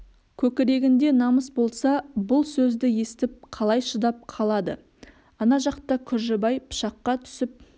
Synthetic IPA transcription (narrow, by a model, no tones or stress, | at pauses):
kʲʰɵkʲɪɾe̞ɡʲɪnd̪e̞nɑməsbo̞lˠsɑbʊlˠsɵzd̪ɪje̞st̪ɪp̚qʰɑlˠɑjʃəd̪ɑp̚qʰɑlˠɑd̪ə̰ | ɑnɑʒɑqt̪əkʲʰʏɾʒɪbɑjpʰʊ̥ʃɑqːɑt̪ʰʏ̥sɪp̚